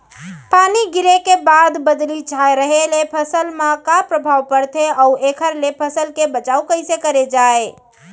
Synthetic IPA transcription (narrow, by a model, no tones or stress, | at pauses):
paniɡiɾekebad̪bəd̪lit͡ʃʰaeɾəɦelepʰəsəlmãkapɾəbʱawpəɾt̪ʰeəuekʰəɾlepʰəsəlkebət͡ʃaukəɪsekəɾed͡ʒae